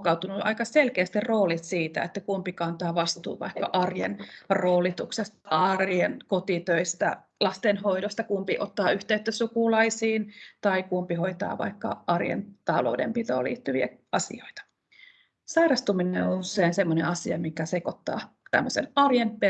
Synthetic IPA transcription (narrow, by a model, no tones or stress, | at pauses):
kɑwt̪unuʔɑ̰ikɑselkeːst̪irroːlit̪siːt̪æ̰et̪ːækumpikɑnt̪ɑːʋɑst̪ṵːʋɑ̰ikːɑ̰ʔɑrjḛnroːlit̪uksest̪ɑrjenkot̪it̪øist̪æ̰ | lɑst̪enɦoidost̪ɑkumpiʔot̪ːɑːyht̪eyt̪ːøsukulɑisiːnt̪ɑikumpihoit̪ɑ̰ːʋɑ̰ikːɑ̰ʔɑrjḛnt̪ɑlo̰udḛmpit̪o̰ːlḭːt̪ːyʋiæ̰ɑsḭo̰it̪ɑ̥ | sɑirɑst̪umineouseinsemːonḛɑsiɑ̰mikæsekot̪ːɑ̰ː | t̪æ̰mːøsḛnɑrjempe